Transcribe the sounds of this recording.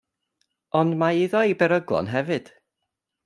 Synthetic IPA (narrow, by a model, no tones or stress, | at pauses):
ɔndmaɪðɔibɛɾəɡlˠɔ̰nɦɛvɨd̥